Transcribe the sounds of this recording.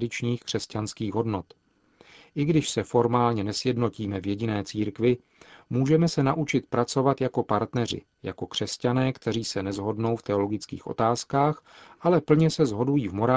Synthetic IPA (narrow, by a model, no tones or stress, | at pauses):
dɪt͡ʃɲiːxkr̝̥ɛscanskiːɣɦo̞dno̞t̪ | ʔɪɡdɪʃsɛfo̞ɾmaːlɲɛnɛsjɛdnociːmɛvjɛɟɪnɛːt͡siːɾkvɪ | muːʒɛmɛsɛnaʔut͡ʃɪt̪pɾat͡so̞vat̪jako̞paɾt̪nɛr̝ɪ̰ | ja̰ko̞kr̝̥ɛscanɛːkt̪ɛɾiːsɛnɛzɦo̞dno̞wft̪ɛo̞lo̞ɡɪt͡skḭːxʔo̞̰t̪aːskaːxʔalɛpl̩ɲɛsɛzɦo̞dujiːvmo̞ɾa